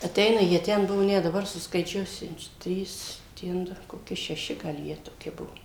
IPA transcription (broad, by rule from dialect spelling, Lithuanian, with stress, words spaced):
ɐˈtʲɛɪnɐ jiɛ ˈtʲɛn ˈbʊʋoː ˈnʲɛt dɐˈbɐr sʊskɐɪˈt͡ʃʲuɔsʲʊ ˈtʲrʲiːs ˈtʲɛn dʊ koːˈkʲɪ ʃʲɛˈʃʲɪ ɡɐlˠ ˈjiɛ toːˈkʲɪ ˈbuɔ